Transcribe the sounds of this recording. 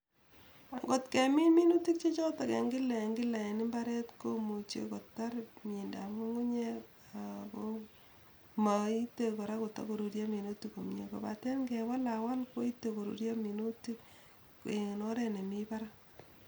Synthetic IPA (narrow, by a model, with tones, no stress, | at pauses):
ɡo˨tke˨mi˦mi˦nu˦ti˦k̚t͡ʃe˦t͡ʃɔ˦ta˨kḛ˨ŋɡɪ˦la˨ŋɡɪ˦la˨ɛ˨nɪ˦mbaɾɛ˦tko˦mu˨t͡ʃḛ˨ko˨tːa˦ɾmi˨nda˨mo˦ŋu˦ɲe˦ | ako | ma˨i˦te˨ko˨ɾa˦ko˨ta̰˦ko˨ɾo˨ɾja˦mi˨no˦ti˨ko˨mɲḛ˨ko̰˨pa̰˨tɛ˦nɡɛ˨wa˦la˨wa˦lko˦i˦tːe˨ko˨ɾo̰˨ɾja˦mi˨no˦ti˦k | kŋe˨no˦ɾɛ˦ne˨mi˦pa˦ɾa˦